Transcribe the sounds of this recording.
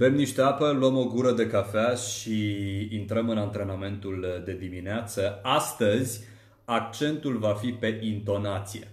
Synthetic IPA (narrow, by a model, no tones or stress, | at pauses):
ve̞mniʃt̪eapəluəmo̞ɡuɾəd̪e̞kafeaʃʃiːnt̪ɾəmɨnant̪ɾe̞name̞nt̪uld̪e̞d̪imineat̪səast̪əzʲ | ak̚t͡ʃe̞nt̪ulvafipe̞ʔint̪o̞nat̪sije̞̰